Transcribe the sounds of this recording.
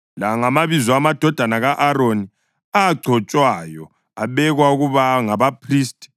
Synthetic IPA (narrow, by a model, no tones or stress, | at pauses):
laŋamaβizɔamad̥ʱɔd̥ʱanaɣaʔaɾoni | aɡ͡ǀʱɔt͡ʃʼwajɔ | aβɛɣwauɣuβaŋaβapʰriːstʼi̥